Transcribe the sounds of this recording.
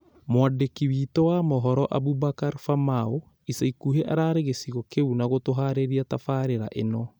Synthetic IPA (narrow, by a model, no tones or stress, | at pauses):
mwadekiwiːtɔwamɔɦɔɾɔʔabubakaɾfamao | isaikuɦeʔaɾaːɾeɣesiɣɔkeunaɣotoɦaɾeɾiatafaːɾeɾa̰ʔenɔ